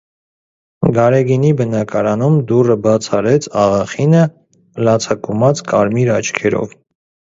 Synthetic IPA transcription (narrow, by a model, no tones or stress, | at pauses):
ɡɑɾɛɡinibənɑkɑɾɑnumd̪urəbɑt͡sʰɑɾɛt͡sʰɑʁɑχinə | lɑt͡sʰɑkumɑt͡skɑɾmiɾɑt͡ʃʰkʰɛɾɔ̰v